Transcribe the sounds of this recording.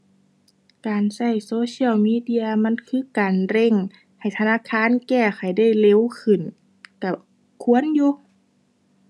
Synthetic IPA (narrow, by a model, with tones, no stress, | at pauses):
kaː˨˩nsa˧˩jsoː˧˥si˧˥˨əwmiː˧˥˨di˧˥ɐ˧ma˧˥˨nkʰɯː˧˥˨kaː˨nɾe˧˩˨ŋ | ha˨˩jt̪ʰa˧naː˧˥˨kʰaː˧˥˨nkɛː˧˩xa˨˩jda˥˩jle˧˥˨wkʰɯ˧˩˨n | ka˧˩ | kʰu˧˥ə˨njuː˧